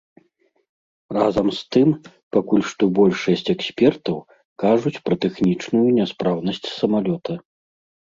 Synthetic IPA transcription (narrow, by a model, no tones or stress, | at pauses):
razɐmst̪ɨm | pakulʲʂt̪ɔbɔlʲʂɐsʲt͡sʲɛksʲpʲɛrt̪ɐw | kaʐut͡sʲpɾɐt̪ɛxnʲit͡ʂnujunʲɛspɾawnɐsʲt͡sʲsɐmalʲɔt̪ʰɐ